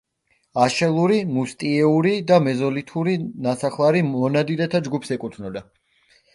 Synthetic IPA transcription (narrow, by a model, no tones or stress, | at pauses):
aʃɛlˠuɾimust̪ʼiɛuɾid̪amɛzɔlit̪ʰuɾinasaχlˠaɾiɔnad̪iɾɛt̪ʰad͡ʒɡupʰsɛkʼut̪ʰnɔd̪a